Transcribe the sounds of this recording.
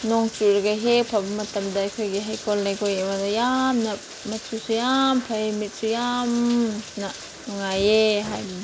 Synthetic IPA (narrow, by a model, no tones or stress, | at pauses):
noŋt͡ʃuɾɡaɦepʰabɐmɐtɐmdɐːjkʰojɡiɦajkʰolnajkʰojebadɐjamnɐ | mɐsʰusujampʰajmit̚sujamnɐ | nuŋajeɦajbi